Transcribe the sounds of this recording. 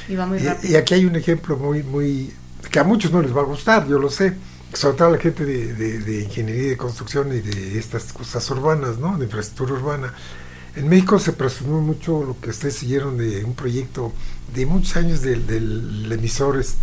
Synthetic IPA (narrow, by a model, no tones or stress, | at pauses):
iaiiakiajune̞xe̞mplo̞mujmuj | keamut͡ʃo̞zno̞le̞zβaɣust̪aɾʝo̞lo̞se | soβɾet̪oalaxe̞nt̪e̞ðeðeðeiŋxe̞nje̞ɾiaðeko̞nst̪ɾuksjo̞niðeest̪asko̞sasuɾβanasno̞ðe̞iɱfɾest̪ɾukt̪uɾauɾβana | enmexiko̞se̞pɾesumomut͡ʃolo̞keust̪eðesiʝe̞ɾond̪eumpɾo̞ʝe̞k̚t̪oðemũt͡ʃo̥saɲozðed̪elemisoɾes